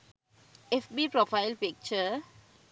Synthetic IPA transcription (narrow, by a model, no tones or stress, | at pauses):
ɛfbipɾɔfajlpik̚t͡ʃə